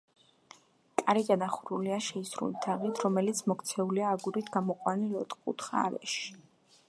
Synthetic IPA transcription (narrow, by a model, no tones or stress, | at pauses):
kʼaɾiɡ̪ad̪aχuɾuliaʃɛisɾṵlit̪ʰaʁit̪ʰɾɔmɛlit̪sʰmɔkʰt̪sʰɛuliaːɡuɾit̪ʰɡamɔqʼwanilɔt̪ʼkʼṵt̪ʰχa̰ːɾɛ̰ʃi̥